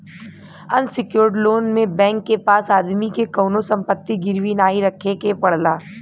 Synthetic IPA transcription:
ɐnsɪkjoːɾɖloːnmẽbɛ̃ːŋkːepaːsaːd̪mikekɐːnosɐ̃mpət̪ːiɡɪɾwinaːɦiɾɐkʰekepɐɽ̤laː

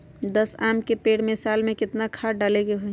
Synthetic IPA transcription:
d̪əsamkepeːɽmesalmẽkɪt̪nakʰaɖaleɡeɦoj

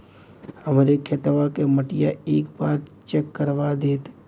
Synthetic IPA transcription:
həmɾekʰeːt̪ʋakeməʈɪjaeːkbaːɾt͡ʃɛkːəɾʋad̪eːt̪

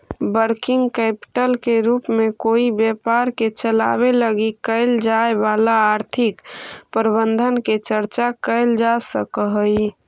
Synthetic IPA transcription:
bəɾkɪŋɡkɛpi̥ʈəlkeɾupmekoibjɛpaɾket͡ʃəla̰beləɡikəld͡ʒaebalaːɾt̪ʰɪkpəɾbənd̪ʱənket͡ʃəɾt͡ʃakəɪld͡ʒasəkəɦəj

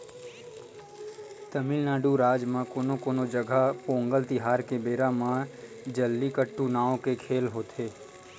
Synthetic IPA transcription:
t̪əmɪlnaːɖuɾaːd͡ʒmãkoːnokoːnod͡ʒəɡʱapõːŋɡəlt̪ɪɦaːɾkebeːɾamã | d͡ʒəlːikəʈːunaːõkekʰeːlɦoːt̪eː

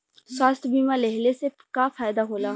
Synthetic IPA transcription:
swaːst̪ʰbiːmalɛɦlese | kafʰaːjd̪aɦoːlaː

